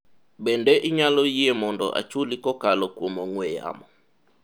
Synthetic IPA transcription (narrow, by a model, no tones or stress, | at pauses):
bɛndɛʔiɲalɔiemɔndɔ̰ʔa̰t͡ʃulikɔkalɔkwomɔŋwɛa̰mɔ